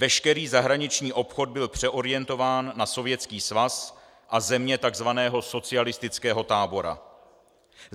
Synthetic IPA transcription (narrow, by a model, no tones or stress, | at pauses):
vɛʃkɛɾiːzaɦɾaɲɪt͡ʃɲiːʔo̞pxo̞d̪̚bɪlpr̝̥ɛʔo̞ɾɪjɛnt̪o̞vaːnːaso̞vjɛt͡skiːsvas | ʔazɛmɲɛt̪aɡzvanɛːɦo̞so̞t͡sɪalɪst̪ɪt͡skɛːɦo̞t̪aːbo̞ɾa̰